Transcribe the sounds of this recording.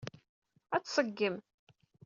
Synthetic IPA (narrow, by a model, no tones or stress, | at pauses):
æt͡sːsˤəɡːəm